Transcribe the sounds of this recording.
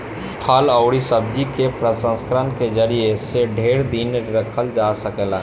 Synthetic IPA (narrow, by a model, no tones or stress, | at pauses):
pʰaːləʊɾisəb̚d͡ʒikepɾəsə̃nskəɾənkezəɾieseɖʱeːɾd̪inɾɐkʰəld͡ʒaːsəkelaɦ